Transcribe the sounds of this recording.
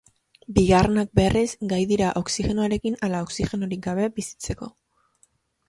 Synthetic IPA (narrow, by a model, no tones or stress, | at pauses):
biɣarenak̚be̞rʔizɡajðiɾaʔo̞ksixe̞noaɾe̞kinalao̞ksixe̞noɾiɡaβ̞e̞bisi̥t͡se̞ko̞